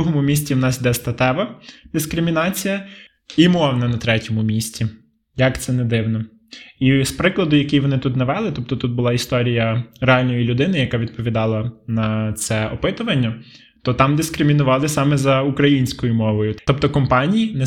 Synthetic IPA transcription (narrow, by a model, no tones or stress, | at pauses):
uɦɔmʊmʲis̬ʲt͡sʲiwnɑsd̪ɛst̪ɐt̪ɛʋɐd̪̥ɪskɾɪmʲinɑt͡sʲijɐ | imɔwnɐnɐt̪ɾɛtʲɔmʊmʲisʲtʲi | jɐkt̪sɛnɛd̪ɪwnɔ | ispɾɪklˠɐd̪ʊjɐkʲijʋɔnɪt̪ut̪nɐʋɛlˠɪt̪ɔp̚t̪ɔt̪ut̪̚bʊlˠɑist̪ɔɾʲijɐɾeɑlʲnɔjilʲʊd̪ɪnɪjɐkɑʋʲid̪̚pɔʋʲid̪ɑlˠɐnɐt̪sɛɔpɪt̪ʊʋɐnʲːɐ | t̪ɔt̪ɑmd̪ɪskɾɪmʲinʊʋɑlˠɪsɑmɛzɐukɾɐjinʲsʲkɔjʊmɔʋɔjʊɔpt̪ɔkɔmpɑnʲijinɛ